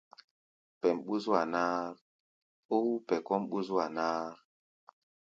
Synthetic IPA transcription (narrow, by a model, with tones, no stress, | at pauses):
pɛ˨mɓu˦zu˦a˨naː˦ | o˦u˦pɛ˨kɔ˦mɓu˦za˨na˦